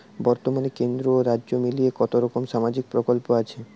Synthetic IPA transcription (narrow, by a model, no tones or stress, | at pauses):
bɔɾt̪omanekend̪ɾoɾadːʑomilijekɔt̪oɾɔkomʃamad͡ʑik̚pɾokolpoat͡ɕʰe